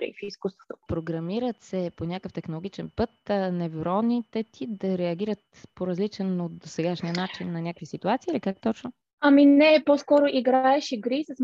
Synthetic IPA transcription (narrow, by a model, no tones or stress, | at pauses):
ɾɛ̰fiskust̪vo̥t̪o̥pɾoɡɾɐmiɾət̪sɛponʲakəft̪ɛxnolˠoɡʲit͡ʃɛnpɤt̪nɛvoɾɔnit̪ɛt̪ʰid̪ɐɾɛɐɡʲiɾət̪ | poɾɐzlit͡ʃɛnot̪d̪osɛɡaʃnijənat͡ʃinːɐnʲakvisit̪uat̪siːlikak̚t̪ɔt͡ʃno | ɐminɛposkɔɾʊʔiɡɾaɛʃiɡɾisɐs